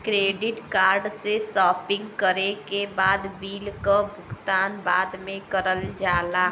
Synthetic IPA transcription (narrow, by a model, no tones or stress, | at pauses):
kɾeɖiʈkaɾɖsesɔːpɪ̃ŋɡkəɾekebaːd̪biːlkəbʱʊkt̪anbad̪mẽkəɾəld͡ʒaːla